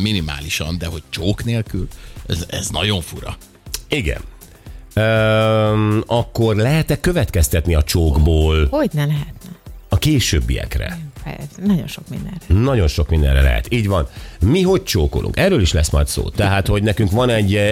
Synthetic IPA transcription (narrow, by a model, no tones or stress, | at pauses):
minima̰ːliʃɒnd̪ɛɦo̞c̚t͡ʃoːkneːlkylɛzɛznɒɟo̞ɱfuɾɒ̰ | iɡɛ̰n | øː | ɒkːo̞rlɛɦɛt̪ɛkːøvɛt̪kɛst̪ɛt̪niɒt͡ʃoːɡboːlhoɟnɛlɛɦɛt̪nɛɒkeːʃøːbːḭɛ̰krɛ̰pɛ̰snɒɟonʃok̚mind̪ɛ̰nrɛnɒɟo̞nʃo̞kmind̪ɛ̰nrːɛlɛ̰ɦɛ̰t̪iːɟʋɒnmiɦo̞ct͡ʃoːko̰lʔṵŋkɛrːøːliʃlɛsmɒjt̪so̰ːt̪ɛɦaːt̪ho̞ɟnɛkyŋkʋɒnɛɟː